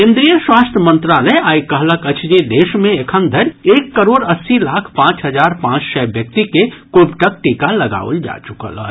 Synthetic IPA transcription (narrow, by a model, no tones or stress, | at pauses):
kẽnd̪ɾijəswast̪ʰjəmə̃nt̪ɾaləajkəɦləkət͡ʃʰd͡ʒid̪esmẽekʰənd̪ʱəɾekːəɾoɖəsːilakʰpãːt͡ʃɦəd͡ʒaɾpãt͡ʃsɛbjək̚t̪ikekobʈək̚ʈikaləɡa̰o̰ld͡ʒa̰t͡ʃukə̰lə̰